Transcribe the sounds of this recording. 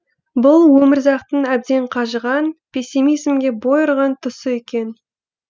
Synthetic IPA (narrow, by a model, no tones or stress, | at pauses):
bʊlˠwɵmɪɾzɑqt̪əɴæb̚d̪e̞ɴqʰɑʒəʁɑnpʲʰesʲimijzmɡʲe̞bo̞jəɾʁɑnt̪ʰʊsəekʲe̞n